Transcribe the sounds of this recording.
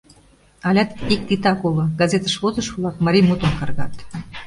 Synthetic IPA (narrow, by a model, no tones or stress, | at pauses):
ɑlʲɑt̪ik̚t̪it̪ɑkoloɡɑzet̪əʃβozə̆ʃβlɑkmɑɾʲijmut̪onkɑrɣɑt̪